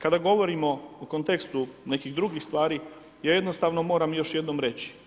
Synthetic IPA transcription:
kad̪aɡo̞ʋo̞ɾiːmo̞okont̪e̞kst̪une̞kiɣd̪ɾuɡixst̪ʋaːɾiː | jaːjed̪nost̪aːʋno̞mo̞ːɾamjo̞ʃjed̪nomɾet͡ɕi̥

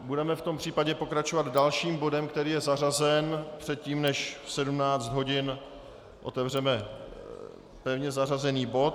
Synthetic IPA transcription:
budɛmɛft̪o̞mpr̝̥iːpaɟɛpo̞kɾat͡ʃovad̪dalʃiːmbo̞dɛmkt̪ɛɾiːjɛzarazɛnpr̝̥ɛt̪̚ciːmnɛʃfsɛdumnaːt͡sd̪ɦo̞ɟɪn | ʔo̞̰t̪ɛvr̝ɛmɛ | pɛvɲɛzarazɛniːbo̞t̪̚

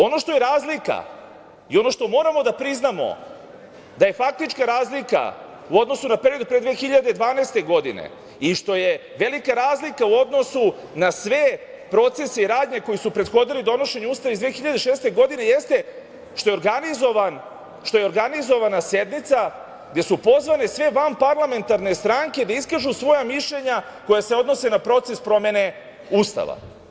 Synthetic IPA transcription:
o̞no̞ʃt̪o̞jeɾaːzlika̰ | ḭo̞no̞ʃt̪o̞mo̞ːɾamo̞d̪apɾiznamo̞̰ | d̪aje̞fak̚t̪it͡ʃkaɾaːzlika̰ | uo̞d̪no̞sunapeɾio̞d̪upɾed̪ʋexiʎad̪ed̪ʋaːneːst̪e̞ɡo̞d̪ḭnḛ | iʃt̪o̞je̞ | ʋe̞likaɾaːzlikauo̞d̪nosu | nasʋepɾo̞t̪se̞seiɾaːd̪ɲe̞ko̞jisupɾe̞d̪xo̞d̪ilid̪o̞no̞ʃe̞ɲeuːst̪aʋeizd̪ʋeːxiʎad̪eʃeːst̪e̞ɡo̞d̪ine̞je̞st̪e̞ | ʃt̪o̞jo̞ɾɡanizo̞ʋan | ʃt̪o̞je̞oɾɡanizo̞ʋanase̞d̪mit̪sa | ɡd̪e̞supo̞zʋane̞sʋe̞ʋampaɾlˠame̞nt̪aɾne̞st̪ɾaŋke̞d̪aiskaʒusʋo̞jamiʃʎeɲa | ko̞jase̞o̞d̪no̞se̞napɾo̞t̪se̞spɾo̞me̞ne̞ | uːst̪a̰ʋa̰

